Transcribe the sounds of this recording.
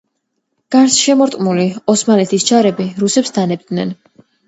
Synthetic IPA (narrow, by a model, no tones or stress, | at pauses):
ɡ̥aɾsʃɛmɔɾt̪ʼmuliɔsmanɛt̪ʰist͡ʃʰaɾɛbiɾusɛpsd̪anɛb̚d̪nɛn